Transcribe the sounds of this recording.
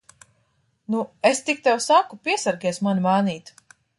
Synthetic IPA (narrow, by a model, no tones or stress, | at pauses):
nuest̪ik̚t̪ɛwsakupiɛsaɾɡʲiɛsmanimaːniːt̪